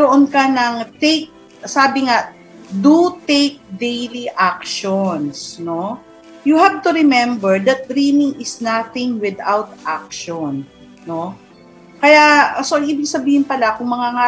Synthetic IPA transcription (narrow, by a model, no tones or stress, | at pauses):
oʔonkɐnɐŋt̪ek̚ | saːbɪŋa | d̪ut̪ejk̚d̪ejliʔakʃonsno̞ | juhav̚t̪uɾɪmɛ̃mbɛɹd̪ɐt̪̚d̪ɾimɪŋɪsnaθɪŋwɪd̪awt̪ʔak̚ʃɔn | no̞ | kɐjasoʔɐŋʔiːbɪɡ̚sɐbiːhɪnpɐlakʊŋmɐŋaŋa